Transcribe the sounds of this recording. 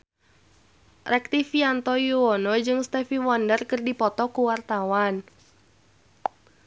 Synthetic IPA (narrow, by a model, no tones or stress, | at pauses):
rɛk̚t̪ifiant̪ɔjuɔnɔd͡ʒɨŋst̪ɛfiwɔndərkərdipɔt̪ɔkuwart̪awan